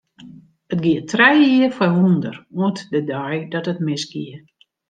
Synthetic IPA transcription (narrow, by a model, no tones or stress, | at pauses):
ətɡiətʰrɛjiəfɔundəruətdədajdɔtətmɪsɡ̥iə